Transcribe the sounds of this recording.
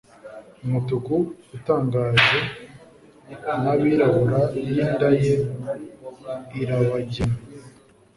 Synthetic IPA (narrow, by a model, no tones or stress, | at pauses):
umutukuutaːŋɡaːʒe̞ | naβiɾaβuɾajjindaje | iɾaβaɟema